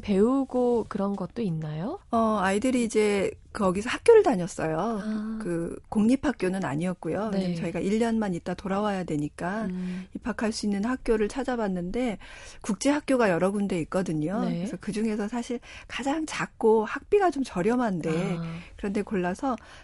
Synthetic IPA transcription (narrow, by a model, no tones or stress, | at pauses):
pe̞uɡokɯɾʌnɡʌt̚t͈oinːajoʌaidɯɾiːd͡ʑe̞kʌɡisʰʌhak͈̚joɾɯɭtaɲʌs͈ʌjokɯkoŋɲipʰhak̚k͈jonɯna̰ɲiʌt̚k͈ujot͡ɕʌiɡaʔiʎːʌnmaɲit̚t͈atoɾawajadwe̞ɲik͈aipʰːakʰaɭs͈uinːɯnhak̚k͈joɾɯɭt͡ɕʰad͡ʑabanːɯnde̞kuk̚t͡ɕ͈e̞ɦak̚k͈joɡajʌɾʌɡunde̞ik̚k͈ʌdɯɲonɯesʰʌkɯd͡ʑuŋe̞sʰʌsʰaɕʰiɭkad͡ʑaŋt͡ɕak̚k͈ohak̚p͈iɡat͡ɕomt͡ɕʌɾjʌmande̞kɯɾʌnde̞koɭːasʰʌ